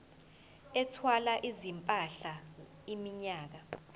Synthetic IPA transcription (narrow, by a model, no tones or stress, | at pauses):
ɛtʰwalaʔizimpʼaɬa | imiɲaːk̬a